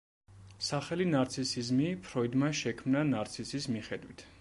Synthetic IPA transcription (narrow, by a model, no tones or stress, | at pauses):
saχɛlinaɾt̪sʰisizmipʰɾɔid̪maʃɛkʰmnanaɾt̪sʰisismiχɛd̪wit̪ʰ